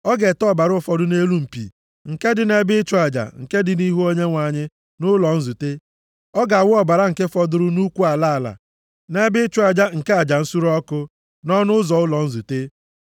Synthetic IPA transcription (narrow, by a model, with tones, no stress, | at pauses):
ɔ˦ɡe˨tɔ˦˨ba˨ɾʊ˦˨fɔ˦dʊ˦ne˦lu˦m̩˨pḭ˨ | ŋ̩˨ke˦dɪ˨ne˦bɪ˦ɪ˦t͡ʃʊ˦a˨d͡ʒa̰˨ŋ̩˨ke˦dɪ˨ni˦ɦu˦o˦ɲe˦ŋʷa˨ɲɪ˦ | nʊ˦lɔ˨n̩˦zu˨te˦ | ɔ˦ɡa˨wʊ˦ɔ˦ba˨ɾa˦ŋ̩˨ke˦fɔ˦dʊ˦ɾʊ˦nu˦kʷu˦a˨la˦˨la̰˨ | ne˦bɪ˦ɪ˦t͡ʃʊ˦a˨d͡ʒa˦ŋ̩˨ke˦a˨d͡ʒa˨n̩˦su˦ɾɔ˦kʊ˦ | nɔ˦nʊ˦zɔ˨ʊ˦lɔ˨n̩˦zu˨te˦